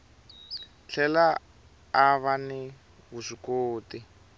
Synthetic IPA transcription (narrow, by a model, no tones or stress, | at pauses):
t͡ɬʰɛlaː | βanɪ | ɣusikoːti